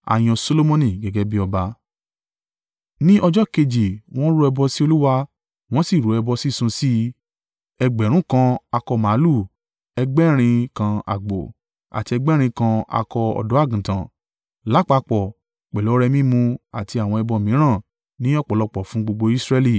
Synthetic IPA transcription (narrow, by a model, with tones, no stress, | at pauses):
a̰˨j̃ɔ̃˧so˧lo˦mɔ̃˦nĩ˨ɡɛ˨˦ɡɛ˦bi˦ɔ˧ba˧ | nĩ˦ʔɔ˧d͡ʒɔ˦ke˧d͡ʒi˨w̃ɔ̃˦ɾu˦ɛ˧bɔ˧si˦o˧lu˦wa˧ | w̃ɔ̃˦si˦˨ɾu˨˦ɛ˧bɔ˧si˦˨sũ˧si˦ | ɛ˧ɡ͡bɛ˨ɾ̃ũ˦kã˧a˧kɔ˧mã˨˦lu˦˨ | ɛ˧ɡ͡bɛ˦ɾ̃ĩ˧kã˧a̰˨ɡ͡bo̰˨ | a̰˨ti˧ɛ˧ɡ͡bɛ˦ɾ̃ĩ˧kã˧a̰˧kɔ˧ɔ̰˧˨dɔ˨˦a˦˨ɡũ˨tã˨ | la˦k͡pa˧˦˧k͡pɔ˨ | k͡pɛ˨lo˨˦ɾɛ˧mĩ˦mũ˧a˨ti˧a˨w̃ɔ̃˧ɛ˧bɔ˧˨mĩ˨˦ɾ̃ã˦˨ | nĩ˦ɔ˦˨k͡pɔ˨lɔ˧k͡pɔ˨fũ˨˦ɡ͡bo˧ɡ͡bo˧i˦sɾɛ˦li˦˨